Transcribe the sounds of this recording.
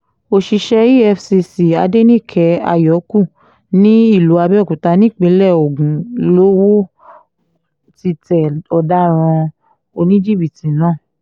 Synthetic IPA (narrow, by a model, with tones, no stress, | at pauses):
o˧˨ʃi˧ʃɛ˧ji˦ɛ˧fsi˧si˨a˧de˦nĩ˦˨kʰɛ˨˧˦a̰˧jɔ˨˦ku˦˨ | nĩ˦i˦˨lu˨˦a˧bɛ˦˨kũ˨ta˧nĩ˦˨k͡pĩ˧˦lɛ˦˨o˨ɡũ˨lo˨˦wo˦ | ti˧tɛ˨ɔ˧da˦ɾ̃ɔ̃˧ | o˧nĩ˦d͡ʒi˦˨bi˨ti˨nãː˦˨